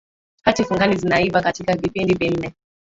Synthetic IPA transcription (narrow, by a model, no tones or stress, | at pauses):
hatifuŋɡanizinaivakatikavipindivɛn̩nɛ